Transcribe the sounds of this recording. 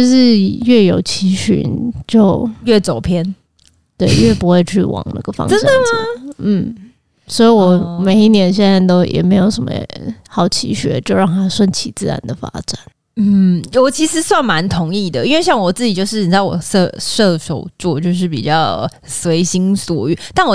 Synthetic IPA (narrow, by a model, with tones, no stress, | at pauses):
o˥˧ʂɻ̩˥˧ɥɛ˥˩jo˨˩ʊt͡ɕʰi˧˥ɕy̰˨˩˦nt͡ɕjo˥˧ʊɥɛ˥˩t͡so˨˩ʊpʰjɛ˥n | t̪we˥˩ɪɥɛ˥˩pu˧˥xwe˥˧ɪt͡ɕʰy˥˩wʔɑ̰˨˩ŋna̰˥˩ɡə˨fɑ̰˥ŋʈ͡ʂə˦˥nd̪ə˨ɐ˨˧n̩˥˩ | swɔ˧˥i˧˥wɔ˨˩me˨˩ɪi˥˩njɛ˧˥nɕjɛ˥˧nt͡sa˥˩ɪt̪o˥ʊjʔɛ̰˨˩me˧˥ɪjo˨˧˥ʊʂə˧˥nmə̰˦xɑ˨˩ʊt͡ɕʰḭ˧˥ɕɥɛ̰˧˥t͡ɕjo˥˧ʊɻɑ˥˨˩ŋt̪ʰa˥ʂwə˥˩nt͡ɕʰi˨˩t͡sɹ̩˥˩ɻa̰˧˦nd̪ə˨fa̰˥ʈ͡ʂa˨˩˦n | n̩˥˩wɔ˨˩t͡ɕʰi˧˥ʂɻ̩˧˥swa˥˩nma˧˦nt̪ʰʊ˧˥ŋi˥˩d̪ə˩i˥nwe˥˧ɪɕjɑ˥˩ŋwɔ˨˩t͡sɹ̩˥˩t͡ɕi˨˩t͡ɕjo˥˧ʊʂɻ̩˥˩ni˨˩˥wɔ̰˨˩ʂɤ˥˧˩ʂɤ˥˧˩ʂo̰˨˩ʊt͡swɔ˥˧t͡ɕjo˥˧ʊʂ̬ɻ̩˥˩pḭ˨˩t͡ɕjɑ˥˩ʊ | swe˧˥ɪɕi˥ŋswɔ̰˨˩y˥˩t̪a˥˩nwɔ˨˩